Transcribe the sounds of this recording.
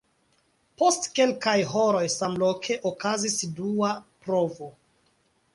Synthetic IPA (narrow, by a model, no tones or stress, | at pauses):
po̞stke̞lkajɦo̞ɾo̞jsamlokʰe̞ʔokazisduapɾo̞vo